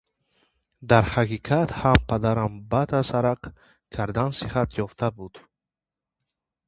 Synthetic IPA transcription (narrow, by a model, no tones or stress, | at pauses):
d̪aɾhaqiqʰat̪hampʰad̪aɾambat̪ʰasaɾaq | kʰaɾd̪ansihat̪ʰjɔft̪ʰabud̪̥